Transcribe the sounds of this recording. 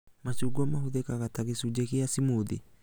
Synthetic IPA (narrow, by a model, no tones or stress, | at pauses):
mat͡ʃuɡamaɦuðekakatakisud͡ʒekijasimudḭ